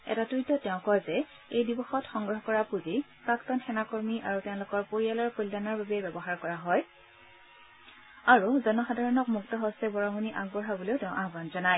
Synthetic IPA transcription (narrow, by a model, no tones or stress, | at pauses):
ɛ̰tatɹutɔtɛʊ̃kɔjzɛ | ejdibɔxɔtxɔŋɡɹɔɦɔkɔɹapuzi | paktɔnxɛnakoɹmiʔaɹutɛʊ̃lʊkɔɹpoɹijalɔɹkoldanaɹbabɛbɛbɔɦaɹkɔɹaɦɔj | aɹuzɔnɔxadʱaɹɔnɔkmuktɔɦɔstɛbɔɹamuniʔaɡ̚bɔɹɦabɔleʊtɛʊ̃ʔaɦbanzɔnaj